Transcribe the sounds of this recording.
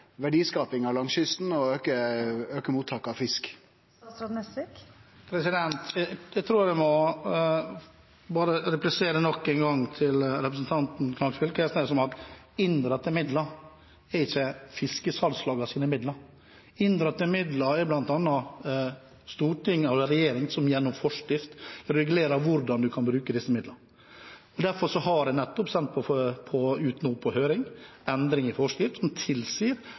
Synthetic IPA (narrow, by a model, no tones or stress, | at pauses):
ʋæɖiːskɑːpɪŋɑʋlɑŋsʏst̪n̩ɔøːkəøːkəmuːt̪ʰɑkːɑfɪsk | t̪ɾɑmɛsɪkpʰɾɛsɪd̪ɛnt̪jæɡt̪ʰɾuːʋɛmɔ | bɑːɾəɾɛplɪseːɾənɔkːɛnɡɑŋt̪ʰɪlɾɛpɾəs̬n̩t̪ʰɑnt̪n̩kʰnɑsfɪlkʰɛst̪ɛsɔmɑt̪ | ɪnd̪ɾət̪ːəmɪd̪ləɾ | ɛɾɪçːəfɪskəsɑlslɑːɡɑsiːnəmɪd̪ləɾ | ɪnd̪ɾɑt̪ːəmɪd̪lɑɛɾblɑnt̪ɑnːɑ | st̪uːʈʰɪŋːɑdɛɾɛjeːɾɪŋsɔmjɛnːɔmfɔʂkɪft̪ɾɛɡʉleːɾɑʋʊɾd̪ɑnd̪ʉkʰɑnbɾʉːkəd̪ɪsːəmɪd̪ləɾ | ɔd̪æɾfɔɾʂɔɦɑɖɛnɛt̪ːɔpsɛnt̪̚pʰɔfpʰɔʉːt̪nuːpʰɔhøːɾɪŋɛnd̪ɾɪŋɪfɔʂkɪft̪sɔmt̪ʰɪlsiːɾ